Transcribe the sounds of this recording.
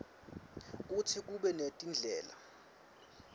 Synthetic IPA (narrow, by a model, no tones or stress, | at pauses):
k̬ʼutʰik̬ʼuɓɛnetʼind͡ɮʱɛːla̰